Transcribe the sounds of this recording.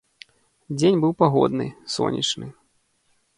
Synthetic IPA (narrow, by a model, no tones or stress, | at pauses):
d͡zʲenʲbɨwpaɣɔ̰d̪nɨ̰sɔ̰nʲḭt͡ʂnɨ